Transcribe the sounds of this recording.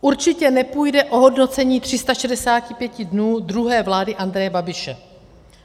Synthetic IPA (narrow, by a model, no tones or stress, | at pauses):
ʔuɾt͡ʃɪcɛnɛpujdɛʔo̞ɦo̞dno̞t͡sɛɲiːt̪r̝̥ɪst̪aʃɛdɛsaːcɪpjɛcɪdnuːdɾuɦɛːvlaːdɪʔand̪ɾɛjɛbabɪʃɛ